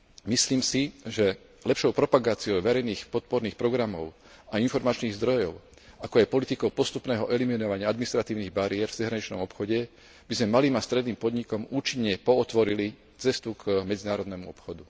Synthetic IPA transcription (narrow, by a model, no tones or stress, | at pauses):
misliːmsiʒɛ | lɛpʃɔʊpɾɔpaɡaːt͡siɔʊʋɛɾɛjniːxpɔt̪̚pɔɾniːxpɾɔɡɾamɔʊ | ainfɔɾmat͡ʃniːɣzd̪ɾɔjɔʊ | akɔajpɔlit̪ikɔʊpɔst̪upnɛːɦɔʔɛliminɔʋaɲɪaad̪minist̪ɾat̪iːʊniːɣbaɾiɛɾvzɛɦɾaɲit͡ʃnɔ̰mɔpxɔɟɛ | bizmɛmaliːmast̪ɾɛd̪niːmpɔd̪ɲikɔmuːt͡ʃiɲːɛpɔːt̪ʋɔɾili | t͡sɛst̪ukmɛd͡zinaːɾɔd̪nɛmuɔpxɔd̪u